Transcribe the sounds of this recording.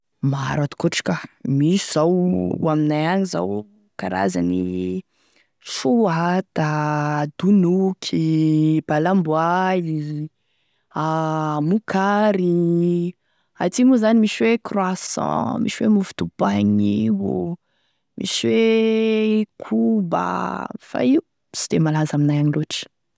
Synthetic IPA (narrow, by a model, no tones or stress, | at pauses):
maa̰ɾat̪i̥kuʈ͡ʂi̥kʲamisiz̥awaminajaɲiza̰w | kaɾa̰zani | fuat̪ad̪unukʰib̥alambuali | amukʰaɾi | at̪imuzanimiswekrwasɔ̰̃mḭʃiwemuvid̪̥ub̥aɲiwṵ | mʔḭswe | kʰuba̰fa̰iu | si̥d̪emalazaminajaɲiloʈ͡ʂə̥